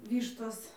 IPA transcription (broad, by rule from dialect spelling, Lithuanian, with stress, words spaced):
ˈʋʲiːʃtoːs